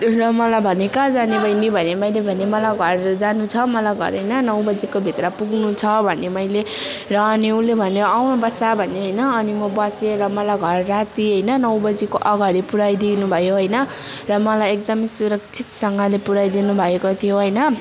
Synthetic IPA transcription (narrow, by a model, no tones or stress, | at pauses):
rʌmʌlajbʱʌnekad͡zanebʱʌjnibʱʌnemʌjlebʱʌnemʌlajɡʱʌrd͡zanut͡sʰʌmʌlajɡʱʌ̰ɾɦʌjnʌnʌwbʌd͡zikobʱit̪ɾʌpuɡnut͡sʰʌbʱʌnemʌjle | rʌːniũlebʱʌneawnobʌsabʱʌneɦʌjnʌːnimʌbʌseɾʌmʌlajɡʱʌrːat̪iɦʌjnʌnʌwbʌd͡zikoʔʌɡaɽipuɾajd̪inubʱʌjoɦʌjnʌ | rʌmʌlajek̚d̪ʌmʌjsuɾʌk̚t͡sʰit̪sʌŋɡʌlepuɾajd̪inubʱʌekot̪ʰijoɦʌjnʌ